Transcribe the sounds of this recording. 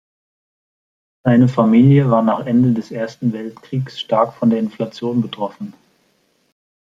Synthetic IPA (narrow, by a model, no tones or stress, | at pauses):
z̥aɪnəfamiːljəvaːɐnaːχʔɛndədɛsʔeːɐstn̩vɛltkʁ̥iːksʃtaɐkfɔndeːɐɪnflat͡sjoːnbətʁ̥ɔfn̩